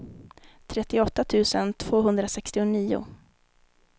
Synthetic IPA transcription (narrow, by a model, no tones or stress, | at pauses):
t̪ʰɾɛt̪ːɪɔt̪ːat̪ʰʉ̟ːsənt̪ʰv̥oːɦɵnd̪ɾasɛkst̪ɪʊniːʊ̰